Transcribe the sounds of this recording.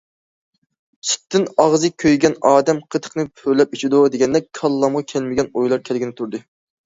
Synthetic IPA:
t͡ʃʰi̥tt̪ʰːɪnɑʁzɨkʲʰːøjɡʲɛnɑːd̪ɛmqʰət̪ʰə̥qnɨpʰøɾlɛp̚yt͡ʃʰid̪ud̪eɡʲɛnd̪ɛk̚ʲkʰɑlˠːɑmʁɑkʲʰɛlmɪɡʲɛnojlˠɑɾkʲʰɛlɪɡʲinɪt̪ʰuɾd̪ɨ

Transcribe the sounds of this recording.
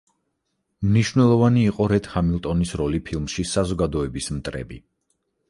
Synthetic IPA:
mniʃwnɛlˠɔvaniːqʼɔɾɛt̪hamilˠt̪ʼɔnisɾɔlipʰilˠmʃisazɔɡad̪ɔɛbismt̪ʼɾɛ̰bi

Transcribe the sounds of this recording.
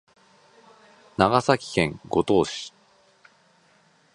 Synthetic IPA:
naɡasakʲi̥kẽ̞ŋɡo̞t̪o̞ːɕi̥

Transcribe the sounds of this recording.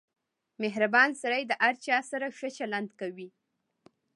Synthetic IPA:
meɦɾabɑnsaɾajd̪əʔaɾt͡ʃɑsaɾaʃət͡ʃaland̪kawi

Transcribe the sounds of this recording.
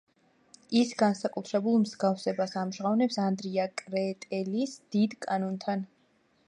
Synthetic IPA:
isɡansakʼut̪ʰɾɛbulˠmzɡafsɛbasamʒʁavnɛpsand̪ɾiakʼɾɛt̪ʼɛlisd̪̥id̪kʼanɔnt̪ʰan

